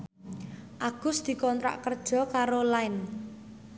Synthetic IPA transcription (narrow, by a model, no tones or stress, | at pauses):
ʔaɡ̥ʊ̤sd̪̥i̤kɔnt̪ɾa̰ʔkərd̥ʒ̥ɔ̤kaɾolaɪn